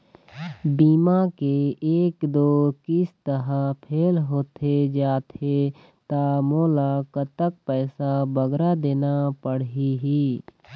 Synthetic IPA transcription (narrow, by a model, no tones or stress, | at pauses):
biːmakeeːkd̪oːkɪst̪əɾəpʰeːlɦoːt̪ʰed͡ʒaːt̪ʰe | t̪amoːlakət̪ək̚pɛːsabəɡɾad̪eːnapəɽɦiɦiː